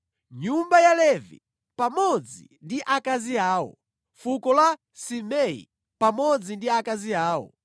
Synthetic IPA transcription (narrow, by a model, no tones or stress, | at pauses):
ɲumbajalɛvḭ | pamɔd͡zḭ | ndiʔakaziaːwɔ̰ | fukɔla | simɛḭ | pamɔd͡zindiakaziaːwɔ̰